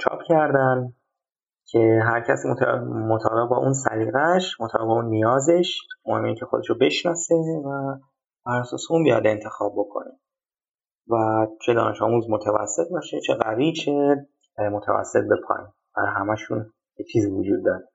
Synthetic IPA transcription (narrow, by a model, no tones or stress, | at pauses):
t͡ʃʰɒ̰ːpʰcʰæɾd̪æn | cʲʰe̞ɦæɾcʰæsimomot̪ʰɒːbe̞ɣbɒʔunsæɾiːɣæʃmot̪ʰɒːbe̞bɒunːijɒːze̞ʃmohemːeiːcʰe̞xo̞d̪e̞ʃobe̞ʃnɒːse̞væ | b̥æɾæsɒ̰ːseunbijɒ̰d̪e̞nt̪ʰe̞xɒːb̚bːo̞kʰo̞̰ne | væt͡ʃʰe̞d̪ɒ̰ːne̞ʃɒːmuzmot̪ʰævæ̰sːe̞t̪̚bɒʃet͡ʃʰe̞ɣævit͡ʃʰe̞ | mot̪ʰæ̰væ̰sːe̞t̪̚be̞pʰɒ̰i | bæɦæmæʃun | jet͡ʃʰiːziːvod͡ʒuːd̪̚ːɒːɾe